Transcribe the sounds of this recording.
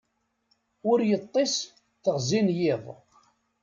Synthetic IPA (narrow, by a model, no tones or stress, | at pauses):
ʊɾjət̪ˤːes | θəʁzinjɪðˤ